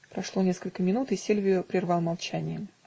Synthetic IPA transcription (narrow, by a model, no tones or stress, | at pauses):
pɾɐʂlˠo̞nʲe̞skəlʲkəmʲɪnut̪ɨsʲelʲvʲɪjʊpɾʲɪrvɑlˠmɐlˠt͡ɕænʲɪjə